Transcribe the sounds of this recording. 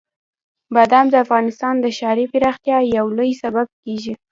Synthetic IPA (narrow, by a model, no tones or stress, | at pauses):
bad̪amd̪əafɣɑnɪst̪ɑnd̪əʃɑɾipɪɾɑxt̪jɑjawlojsabab̚keʒi